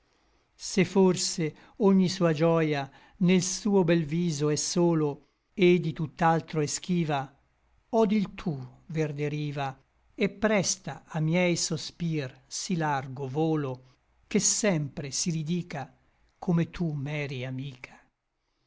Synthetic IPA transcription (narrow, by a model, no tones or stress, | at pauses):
seforse | oɲːisuːad͡ʒɔːja | nelsuːobɛlviːzoɛsːoːlo | ed̪it̪ut̪ːalt̪ɾoɛsk̟iːva | ɔd̪ilt̪ʰuverd̪eɾiːva | epːɾɛst̪aamjɛjsospirsilarɡovoːlo | k̟esɛmpɾesiɾid̪iːka | kʰomet̪ʰumɛːɾiamiːkʰḁ